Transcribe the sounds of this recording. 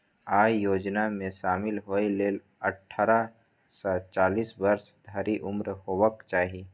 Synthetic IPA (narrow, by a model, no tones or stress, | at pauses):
aːjoːd͡ʒnamẽʃaːmɪlɦoileːl | ɐʈʰːaːɾa | sat͡ʃaːliːsbəɾsd̪ʱəɾiʔʊmɾhoːʋəkt͡ʃaːɦieː